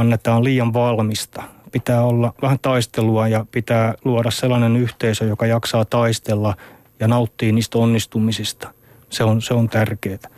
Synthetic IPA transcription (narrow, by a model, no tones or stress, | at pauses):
ɑnːet̪ɑːlliːɑʋʋɑlmist̪ɑ̥pit̪æːolːɑʋæhænt̪ɑist̪eluɑjɑpit̪æːluɑɾɑsselːɑnenyht̪eisøjokɑjɑksɑːt̪ɑist̪elːɑ | jɑnɑut̪ːiːniːst̪onːist̪umisist̪ɑ̥ | seonseont̪ærkeːt̪æ̥